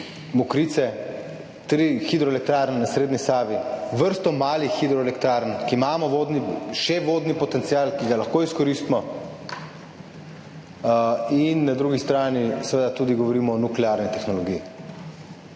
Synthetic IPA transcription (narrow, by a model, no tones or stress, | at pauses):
mukɾiːt̪sɛ | t̪ɾixid̪ɾɔelɛk̚t̪ɾaːɾnɛnasɾeːd̪nisaːʋiʋəɾst̪ɔmaːlixid̪ɾɔelɛkt̪ɾaɾnkiimaːmɔʋoːd̪niʃɛʋoːd̪nipɔt̪ɛnsiaːlkiɡalaxkoːiskɔɾist̪mɔ | inːad̪ɾuːɡist̪ɾaːnisɛʋeːd̪at̪ud̪iɡɔʋɔɾiːmɔːnuklɛaɾnit̪ɛxnɔlɔɡiji